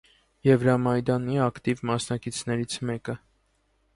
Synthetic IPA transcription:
jɛvɾɑmɑjd̪ɑniɑkt̪ivmɑsnɑkit͡sʰnɛɾit͡sʰmɛkə

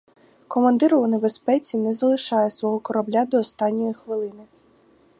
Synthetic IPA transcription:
kɔmɐnd̪ɪɾʊunebespɛt͡sʲinɛzɐlˠɪʃɑjesʋɔɦɔkɔɾɐblʲad̪ɔːst̪ɑnʲːɔjixʋɪlˠɪnɪ

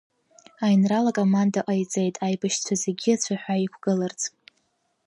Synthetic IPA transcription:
ajnralakʼomandaʔajt͡sʼejtʼajbɨʃt͡sʷʰazeɡʲiat͡ɕʷʰaħʷᶣaikʷʰɡ̥ɨlart͡sʼ

